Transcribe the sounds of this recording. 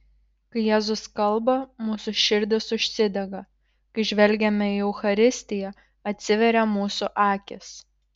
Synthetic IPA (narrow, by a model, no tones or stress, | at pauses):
kɐɪjæːzʊskɐlˠˑbɐmuːsʊʃʲɪɾʲd̪ʲɪsʊʃʲsʲɪd̪ʲɛɡɐ | kɐɪʒʲʋʲɛlʲɡʲɛmʲɛiɛʊxɐɾʲɪsʲt̪ʲɪjɛ | ɐt̪ʲsʲɪʋʲɛɾʲɛmuːsʊʔɑːkʲɪs